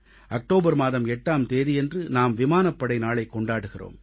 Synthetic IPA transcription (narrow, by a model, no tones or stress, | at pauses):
ʔɐk̚ʈoːbɐɾmaːðɐmɛʈːaːmt̪eːðijɛndrɯnaːmʋɪmaːnɐpːɐɽɐɪnaːɭɐɪkːɔɳɖaːɽɯɣɪro̰ːm